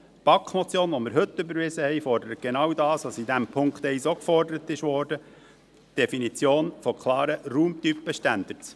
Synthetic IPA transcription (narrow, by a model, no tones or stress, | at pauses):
pɑkχmɔt͡sjoːnʋɔmɪɾɦɵt̪ːʏbəɾʋɪzəhɛjfɔɾdəɾət̚ɡ̥enɑwdɑːsʋɑsid̪æmpʰʊŋkχt̪ɛɪsokfɔrdəɾət̪ɪʃʋɔːɾd̥ə | d̥efinit͡sjoːnfɔkʰlˠɑːɾəɾuːmt̪ypːəʃtænd̪̥əɾs